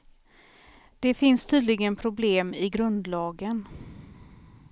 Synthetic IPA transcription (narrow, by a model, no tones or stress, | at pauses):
d̪̥ɛfɪnst̪ʰyːd̪lɪɡənpʰɾʊbleːmɪɡɾɵnd̪lɑːɡən